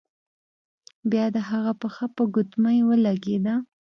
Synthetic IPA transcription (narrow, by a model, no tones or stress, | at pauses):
bjɑd̪əɦaɣapəxapəɡʊt̪majwəlaɡed̪a